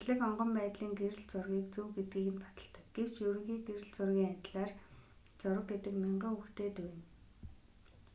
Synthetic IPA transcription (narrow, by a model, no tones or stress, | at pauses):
ɮɘ̆kɔɴɢɞ̆mpæːt̪ɮiːŋɡeɾɘ̆ɮt͡sʊrɣʲiːkt͡suwɡet̪̚ɡiːɣɘ̆np̪ḁt̪ə̆ɬt̪ə̆kɡ̥ew̥t͡ɕjɵɾɵ̆ŋɣiːɡeɾɘ̆ɮt͡sʊrɣʲiːŋat̪ʲɮaːr | t͡sʊɾə̆k̚ɡet̪ɘ̆kmʲeɴɢʊ̆ːŋuxt̪eːt̪ujɘn